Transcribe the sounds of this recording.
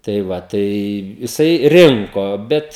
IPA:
tɐɪ ˈʋɐ tɐɪ jɪˈsɐɪ ˈrʲɪŋkoː ˈbʲɛt

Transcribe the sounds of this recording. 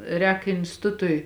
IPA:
ˈrʲɛːk ɪnʲsʲtʲɪˈtʊtʊɪ

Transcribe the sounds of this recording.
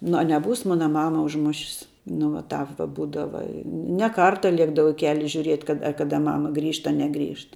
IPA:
nʊ ɐ nʲɛˈbuːs ˈmoːnɐ ˈmɑːmɐ ʊʒˈmʊʃʲɪs nʊ ʋɐt ˈtɑːp ʋɐ ˈbuːdɐʋɐ ɪ nʲɛ ˈkɐrtɐ ˈlʲiɛɡdɐʋɐʊ ɪ ˈkʲæːlʲɪ ʒʲʊˈrʲiɛt kɐt ɐ ˈkɑːdɐ ˈmɑːmɐ ˈɡrʲiːʃt ɐ ˈnʲæːˌɡrʲiːʃt

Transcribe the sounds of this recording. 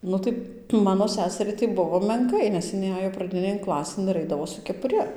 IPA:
ˈnʊ tɐɪ ˈmɑːnoː ˈsʲæːsʲɛrʲɛɪ tɐɪ ˈbʊʋoː mʲɛŋˈkɐɪ nʲɛs ɪˈnɐɪ ˈɑːjoː prɐˈdʲɪnʲeːn ˈklˠɑːsʲeːn ɪr ˈɐɪdɐʋoː sʊ kʲɛpʊˈrʲɪ

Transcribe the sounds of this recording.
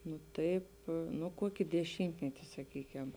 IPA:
nʊ ˈtɐɪp ˈnʊ ˈkuɔkʲɪ dʲɛˈʃʲiːmʲtʲmʲɛtʲɪ sɐˈkʲiːkʲɛm

